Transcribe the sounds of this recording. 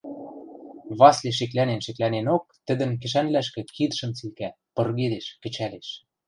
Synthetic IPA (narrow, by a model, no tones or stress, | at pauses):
βɑsleʃ̬ĕklænenʃĕklænenok̚t̪ɘ̆d̪ə̆nkɘ̆ʃ̬ænlæʃkĕkid̪əʃɤ̆mt͡silkæ | pɤ̆rɣed̪eʃkɘ̆t͡ɕæleʃ